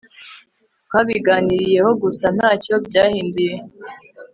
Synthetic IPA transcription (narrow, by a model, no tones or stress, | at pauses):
kwaβiɡaːniɾije̞ho̞ɡusan̥haːco̞bɟaːhiːndije